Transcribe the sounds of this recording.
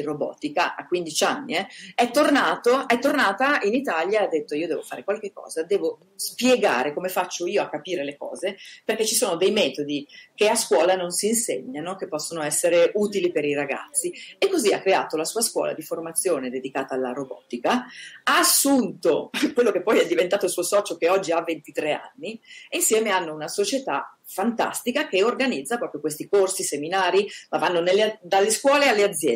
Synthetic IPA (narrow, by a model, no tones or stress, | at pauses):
irobɔ̰ːt̪ikaʔakːwind̪it͡ʃanːiɛɛt̪ːornaːt̪oɛt̪ːornaːt̪ainit̪aljaad̪ːet̪ːoiːod̪ɛːvofa̰ːɾekwalk̟ekːɔ̰ːzad̪ɛːvo | spjeɡa̰ːɾekomefat͡ʃːoiːoakːapiːɾelekɔ̰ːzeperk̟et͡ʃːisoːnod̪ejmɛːt̪od̪ik̟easkwɔːlanonsiːnsḛɲːanok̟epːɔsːonoɛsːeɾeʔuːt̪ilipeɾiɾaɡa̰t̪sːiekːozia̰kːɾea̰ːt̪olasuːaskwɔ̰ːla̰d̪iformat̪sːjoːned̪ed̪ikaːt̪aːlːaɾobɔ̰t̪ikaaasːunt̪okwelːokepːɔjɛd̪ːivent̪aːt̪olsuosɔːt͡ʃokeɔd͡ʒːiavent̪it̪ɾea̰nːiinsjɛːmeanːounasot͡ʃet̪a̰ | fant̪a̰st̪ikak̟eorɡanid̪zːapɾɔːpɾjokwest̪ikorsiseminaːɾimavanːonelːed̪alːeskwɔːlealːead̪zːjɛ